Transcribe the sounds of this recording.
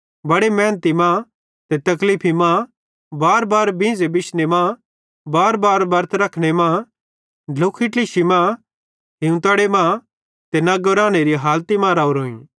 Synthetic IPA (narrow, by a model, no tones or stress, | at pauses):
bɐɽemɛ̃ːnət̪imã | t̪et̪ɐklipʰimã | baːɾbaːɾbɪ̃ːd͡zebɪʃnemã | baːɾbaːɾbɐɾt̪ʰɾɐkʰɽ̃emã | ɖʱlʊkʰːɪʈliʃimã | ɦɪũt̪ɐɽemã | t̪enɐɡɾaːñeɾiɦaːlt̪imãːɾaːuɾoːḭ̃ː